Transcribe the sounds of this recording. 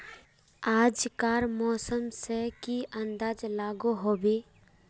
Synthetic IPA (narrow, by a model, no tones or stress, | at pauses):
aːd͡ʒkaːɾmɔːsəmsekiʔə̃nd̪aːd͡ʒlaːɡoɦoːbeː